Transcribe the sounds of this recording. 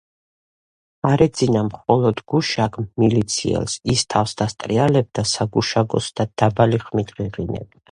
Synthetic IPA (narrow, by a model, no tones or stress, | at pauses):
aɾɛd̪zinamχɔlˠɔd̪ɡuʃaɡʰmmilit̪sʰḭɛ̰lsist̪ʰafsd̪ast̪ʼɾialɛb̚d̪asaɡuʃaɡɔ̰sd̪̥ad̪̥abaliχmit̪ʁiʁinɛ̰bi